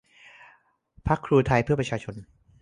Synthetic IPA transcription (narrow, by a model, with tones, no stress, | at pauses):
pʰa˦˥kʰːɾuː˧t̪ʰa˧jpʰɯ˥˩ɐpɾa˧˥t͡ɕʰaː˧t͡ɕʰo˧n